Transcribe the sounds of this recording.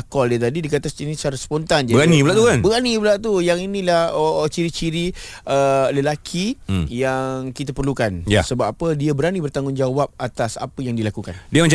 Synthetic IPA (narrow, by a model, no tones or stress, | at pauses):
akɔldiət̪adidikat̪asinisaɾaspont̪and͡ʒaɾanibəlaʔt̪ukanbəɡanibəlaʔt̪ujaŋinilahət͡ʃiɾit͡ʃiɾiələlakʰijaŋkit̪apərlukanjasəbapədiabəɾanibərt̪aŋɡʊŋd͡ʒawap̚at̪asa̰pəjaŋdilakukandiəmə̃ɲt͡ʃ